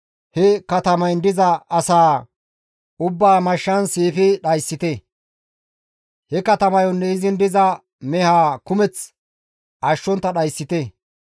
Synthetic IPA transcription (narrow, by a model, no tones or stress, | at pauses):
hɛkɐt̪ɐmɐjnd̪ɪzɐɐsaː | ʊbːaːmɐʃːɐnseːfɪɗɐjsːɪt̪e | hɛkɐt̪ɐmɐjɔnːɛɪzɪnd̪ɪzɐ | mɛhaːkʊmɛt͡s | ʔɐʃːɔnt̪ːɐɗɐjsːɪt̪e